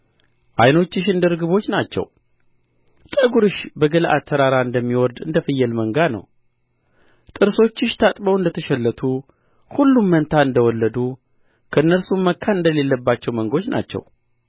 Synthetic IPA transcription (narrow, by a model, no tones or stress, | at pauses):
ʔajno̞t͡ʃːɪʃɨnd̪əɾɨɡɨβo̞t͡ʃːnat͡ʃːɛ̰w | t̪ʼəɡuɾɨʃbəɡəlʔa̰t̪ʰːəɾaɾaɨnd̪əmːiwɔɾd̪ɨ̰nd̪əfɨjːɛlməŋɡanə̰w | t̪ʼɨɾso̞t͡ʃːɪʃt̪ʰat̪ʼbəwɨnd̪ət̪ʰəʃɛlːət̪ʰu | hulːumːənt̪ʰaɨnd̪əwɔlːəd̪u | kʰəɨnːəɾsumːəkʰːanɨnd̪əle̞lːəbːat͡ʃːɛwməŋɡo̞t͡ʃːna̰t͡ʃːɛ̰w